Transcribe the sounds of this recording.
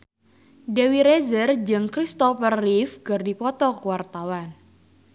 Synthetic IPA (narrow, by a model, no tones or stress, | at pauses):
dewiɾezərd͡ʒɨŋkɾist̪ɔfərːifkɨrdipɔt̪ɔkuwart̪awan